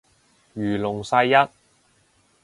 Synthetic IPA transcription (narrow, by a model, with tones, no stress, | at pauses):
ɥyː˨˩lʊ˨˩ŋsɐ˧jːɐ˥t̚